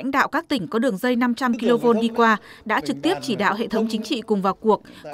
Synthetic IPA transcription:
jŋ̟ɗa̰ː˧˨wkaː˦˥k̚t̪ï˧˩ŋ̟kɔ˨˦ɗɨ˨˩əŋzə˧jna˧mt͡ɕa˧mki˧lo˧vo˧nɗi˧kwaː˧ɗa̰ː˧˥t͡ɕɨ˨˩k̚t̪i˦˥əp̚t͡ɕi˧˩ɗa̰ː˧˨wɦḛ˧˨t̪ʰə˨˦wŋ͡mt͡ɕï˨˦ŋ̟t͡ɕḭ˧˨kʊ˨˩ŋ͡mvaː˨˩wku˨˩ək̚

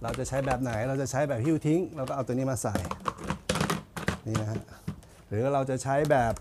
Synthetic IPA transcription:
ɾa˧wt͡ɕa˨˩t͡ɕʰa˦˥jbɛː˨˩p̚na˩˦jɾa˧wt͡ɕa˨˩t͡ɕʰa˦˥jbɛː˨˩p̚hi˥˩wt̪ʰi˦˥ŋɾwkɔː˥˩ʔa˧t̪ːni˦˥maː˧sa˨˩j | niː˧˩na˦˥kʰa˦˥ʔ | ɾɯː˩˦˥ɾa˧wt͡ɕa˨˩t͡ɕʰa˦˥jbɛː˨˩p̚

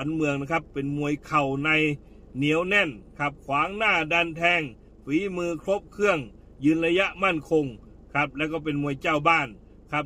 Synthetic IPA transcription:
nmɯ˧əŋna˧˩kʰa˦˧˥pːe˨nmu˧˩əjkʰa˨˩wna˧j | ni˨˦əwnɛ˧˩˨nkʰa˧˩p̚kʰwaː˨˦ŋnaː˧˥˩daː˧nt̪ʰɛː˧˩ŋ | fiː˨˦mɯː˧kʰlo˦˥p̚kʰɯ˧˥˨əŋ | jɯː˧nla˧ja˧ʔma˧˥˩nkʰo˧ŋ | kʰa˦˧˥p̚lɛː˧˩wkɔː˧˩p̬e˨nmu˧˩əjt͡ɕa˧˩wbaː˧˥˩n | kʰa˧˥p̚

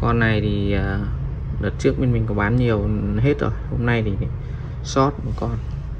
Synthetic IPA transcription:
kɔ˧nːa˨˩jt̪ʰi˨˩əː˨˩ɗəː˨˩t̚t͡ɕɨ˦˥ək̚me˧nmï˨˩ŋ̟kɔ˨˦ɓaː˨˦nɲi˨˩əwɦe˦˥t̚zo̰˨˩jho̰˧mna˧jt̪ʰi˨˩˨ | sɔ˦˥t̚ɔ˧˩kɔ˧n

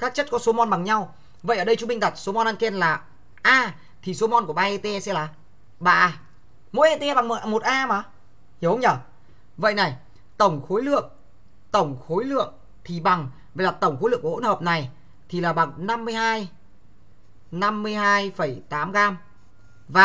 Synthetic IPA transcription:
kaː˦˥k̚t͡ɕə˦˥t̚kɔ˨˦so˨˦mɔ˧nɓa˨˩ŋɲa˧w | və̰˧˨ʔəː˧˩ɗə˧jt͡ɕu˨˦ŋ͡mmi˧ŋ̟t̪a˨˩t̚so˨˦mɔ˧nʔaː˧nke˧nlaː˨˩ | ʔaː˧ | t̪ʰi˨˩so˨˦mɔ˧nku˧˩əɓaː˧ʔe˧t̪e˧ɛ˧sɛ̰˧˥laː˨˩ | ɓa̰ː˧˨ | mo̰˧˥jʔe˧t̪e˧ɛ˧ɓa˨˩ŋm˨˩ʔmo˨˩t̚ʔaː˧maː˨˦ | hi˧˩˨hə˧wŋ͡mɲəː˧˩ | və̰˧˨jna˨˩j | t̪ə˧˩wŋ͡mxo˨˦jlɨ̰˧˨əŋ | t̪ə˧˩wŋ͡mxo˨˦jlɨ̰˧˨əŋ | t̪ʰi˨˩ɓa˨˩ŋ | və˨˩laː˨˩t̪ə˧˩wŋ͡mxo˨˦lɨ̰˧˨kːo̰˧˥həː˨˩p̚na˨˩j | t̪ʰi˨˩laː˨˩ɓa˨˩ŋna˧mːɨ˧əjhaː˧j | na˧mːɨ˧əjhaː˧jfə˧˩jt̪aː˨˦mɣaː˧m | vaː˨˩

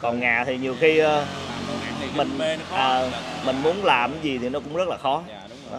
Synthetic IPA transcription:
kɔ˨˩nŋa̰ː˨˩t̪ʰi˨˩ɲi˨˩əwxi˧ə˧˨ | mï˨˩ŋ̟ʔəː˩˨˩mï˨˩ŋ̟mu˨˦ənlaː˨˩mi˨˦zi˨˩t̪ʰi˨˩nɔ˨˦kʊ̰˧˥ŋ͡mzə˦˥t̚laː˨˩xɔ˨˦˨

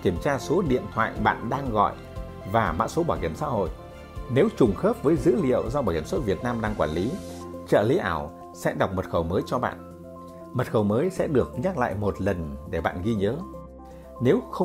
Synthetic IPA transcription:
ki˧˩əmt͡ɕaː˧so˨˦ɗḭ˧˨ənt̪ʰwa̰ː˧˨jɓa̰ː˧˨nɗaː˧ŋɣɔ̰˧˨jʔ | vaː˨˩ma̰ː˧˥so˨˦ɓɔː˧˩ki˧˩əmsa̰ː˧˥ɦo̰˧˨jʔ | ne˨˦wt͡ɕʊ˨˩ŋ͡mxəː˦˥p̚vəː˨˦jzɨ̰˧˥lḭ˧˨əwzɔ˧ɓɔ˧˩jhi˧˩msə˦˥t̚vi˨˩ət̚naː˧mɗaː˧ŋkwaː˧˩nli˨˦ | t͡ɕə̰ː˧˨li˨˦ʔaː˧˩w | sɛ̰˧˥ɗa˨˩wk͡p̚mə˨˩t̚xə˨˩wməː˨˦jt͡ɕɔ˧ɓa̰ː˧˨n | mə˨˩t̚xə˨˩wməː˨˦jsɛ̰˧˥ɗɨ˨˩ək̚ɲa˦˥k̚la̰ː˧˨jmo˨˩t̚lə˨˩nɗe˧˩ɓa̰ː˧˨nɣi˧ɲəː˨˦ | ne˨˦wxə˧

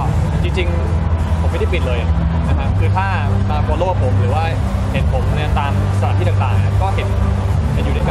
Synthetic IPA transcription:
t͡ɕi˧ŋt͡ɕi˧ŋ | pʰo˩˦ma˥˩˧a˥˩pi˨˩lɤː˧ja˨˩na˦˥kʰa˦˥kʰɯː˧t̪ʰaː˥˩maː˧ku˧˩˦loː˥˩p̚pʰo˩˦mɾɯː˩˦waː˥˩ | he˩˦n̚pʰo˩˦mʰ˧a˧nt̪aː˧m | sa˧a˨˦t̪ʰiː˥˩aː˨˩t̪aː˨˩ŋʔa˧˩kɔː˥˩he˨˩˦n | a˨˧˩juː˨˩a˧kː

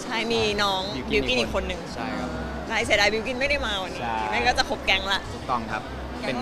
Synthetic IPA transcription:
t͡ɕʰa˥˩jmiː˧nɔː˦˥ŋ | bi˧wki˥˩nʔi˨kʰo˧nːɯ˨˩ŋʰa˥˩jʰa˦˥˧ | kaː˧js̬i˩˦daː˧bi˧wki˧˥˩nma˥˩jda˥˩jmaː˧wʔa˧nːiː˧˥˧ma˥˩kaː˥˩t͡ɕa˨˩kʰo˦˥p̚kɛ˧ŋla˦˥ʔ̪ʰu˨˩k̚t̪ɔ˥˩ŋkʰa˦˥p̚ | pe˧n

